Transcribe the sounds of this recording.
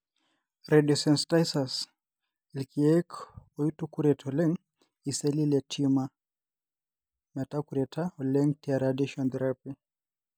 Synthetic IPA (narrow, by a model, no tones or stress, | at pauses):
ɾɛdɔsɛnstajsas | ɛlkʰiɛkɔitukuɾɛtʰɔlɛŋ | isɛlilɛtʰima | mɛtakuɾɛtʰaɔlɛŋtiaɾadiʃɔnd̪ɾapi